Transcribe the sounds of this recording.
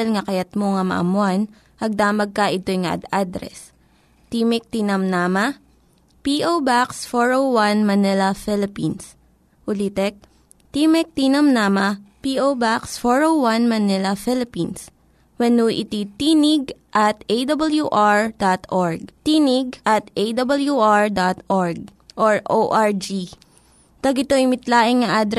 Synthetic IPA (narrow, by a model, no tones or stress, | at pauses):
ɐlŋɐkɐjɐt̪̚moŋɐmɐ̰ʔɐ̰mʊan | pɐɡ̚d̪aːmɐɡ̚kɐʔɪt̪ojŋɐʔɐ̰d̪ad̪ɾɛ̰s | t̪iːmɪk̚t̪inɐmnamɐ | piʔowbaksfoɹowwanmɐnɛlɐfɪlɪpins | ʔʊlit̪ɛk̚ | t̪imɛk̚t̪inɐmnamɐpiʔowbaksfoɹowwɐnmɐnɛlɐfɪlɪpins | wɛnuʔɪ̰t̪it̪iːnɪɡ̚ʔɐt̪ʔejd̪ɐbɐljuʔaɹd̪at̪ʔoɹɡ̚t̪iːnɪɡ̚ʔɐt̪ʔejd̪ɐbɐljuʔaɹd̪at̪ʔɔɹɡ̚ | ʔoɹʔoʔaɹd͡ʒi | t̪ɐɡɪt̪oɪmɪt̪laːʔɪŋːɐʔad̪ɾ